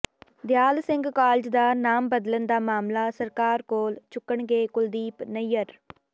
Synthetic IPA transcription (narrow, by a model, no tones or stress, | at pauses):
d̪jaːlsɪ̃ŋɡkaːlɪd͡ʒd̪aːnaːmbəd̪lənd̪aːmaːmlaːsəɾkaːɾkoːlt͡ʃʊkːəɳɡeːkʊld̪iːpnəjəɾ